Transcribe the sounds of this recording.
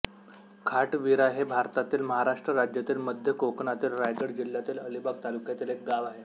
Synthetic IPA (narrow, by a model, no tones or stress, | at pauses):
kʰaʈʋiɾaɦebʱaɾt̪at̪iːlməɦaɾaʂʈɾəɾad͡ʑjat̪iːlməd̪ʱjəkokɳat̪iːlɾajd͡zəɽd͡ʑil̤jat̪iːləlibaɡ̚t̪alukjat̪iːlek̚ɡaʋaɦe